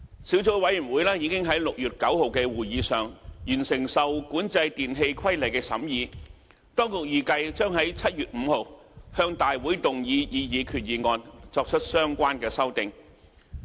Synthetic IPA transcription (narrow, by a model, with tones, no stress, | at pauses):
si˨˥wt͡so˨˥wwɐ˨˥jy˨˩nwuː˨˥jlɛː˥jiː˨˧kɪ˥ŋɦɐ˨˥jlʊ˨k̚jyː˨˩t̚kɐ˨˥who˨wkɛː˧wuː˨˩jjiː˨˧sœː˨˩ŋjyː˨˩nsɪ˨˩ŋsɐ˨wkuː˨˥nt͡sɐ˧jt̪iː˨nɦe˧jkʰwɐ˥jlɐ˨jkɛː˧sɐ̰˨˥mjiː˨˧ | t̪ɔː˥ŋkʊ˨k̚jiː˨˩kɐ˧jt͡ʃœː˥ŋɦɐ˨˥jt͡sʰɐ˥t̚jyː˨t̚m̩˨˧ho˨˧whœː˧ŋt̪aː˨jwuː˨˥jt̪ʊ˨ŋjiː˨˧jiː˨˧jiː˨˧kʰyː˨˩t̚jiː˨˧ŋɔː˧nt͡sɔː˧k̚t͡ʃʰɵ˥t̚sœː˥ŋkʷaː˥nkɛː˧sɐ˥wt̪ɪ˨ŋ